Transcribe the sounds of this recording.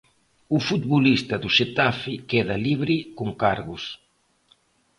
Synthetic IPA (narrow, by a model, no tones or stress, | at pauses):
ufut̪̚βolist̪ɐðuʃet̪afɪkɛðɐliβɾikoŋkaɾɣʊs